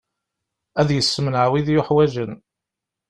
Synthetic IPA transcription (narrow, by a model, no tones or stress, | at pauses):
æðjəsːəmənʕawiðjʊħwæʒən